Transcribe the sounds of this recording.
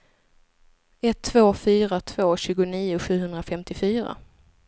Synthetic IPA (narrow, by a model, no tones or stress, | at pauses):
ɛt̪ʰːvoːfyːɾat̪ʰv̥oːɕʉːɡʊniːʊɧʉ̟ːɦɵnd̪ɾafɛmt̪ɪfyːɾa̰